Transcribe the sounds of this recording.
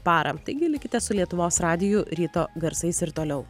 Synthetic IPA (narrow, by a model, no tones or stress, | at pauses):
pɑːɾʔɐ̰t̪ɐɪɡʲɪlʲɪkʲɪt̪ʲɛsʊlʲiɛt̪ʊʋoːsɾɑːd̪ʲɪjuɾʲiːt̪oːɡɐɾsɐɪsɪɾt̪oːlʲɛʊ